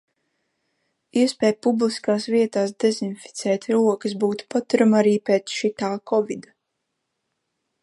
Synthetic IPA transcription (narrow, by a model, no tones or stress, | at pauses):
iɛspɛːjpubliskaːsviɛt̪aːs̬d̪ezinfi̥t̪sɛːt̪ʲɾuɔkəs̬buːt̪u̥pat̪uɾamaɾiːpeːt̪sʃit̪aːkɔvid̪a